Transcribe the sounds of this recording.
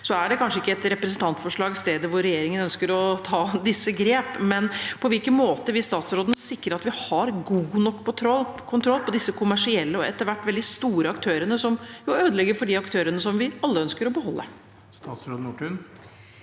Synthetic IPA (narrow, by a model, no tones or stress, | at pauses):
sɔæɖɛkʰɑnʂəɪkːəɛt̪ɾɛpɾɛsənt̪ʰɑnt̪fɔʂɭɑːɡst̪eːd̪əʋʊɾɛjeːɾɪŋənœnskəɾɔt̪ʰɑːd̪ɪsːəɡɾeːpmɛnpʰɔʋɪlkənmoːt̪əʋɪst̪ɑːt̪sɾoːd̪ənsɪkːɾəɾɑt̪ʋɪhɑɾɡuːnɔkːt̪ʰɾɔlkʰʊnt̪ʰɾɔlːpʰɔd̪ɪsːəkʰʊmæʂɪɛlːəɔɛt̪ːəɾʋæʈːʋɛld̪ɪst̪uːɾəɑkt̪ʰøːɾənəsɔmjuøːd̪əlɛɡːəɾfɔɖiɑkt̪ʰøːɾənəsɔmʋɪɑlːəœnskəɾɔbəhɔlːə̰ | st̪ɑːt̪sɾoːd̪n̩uːʈʰʉn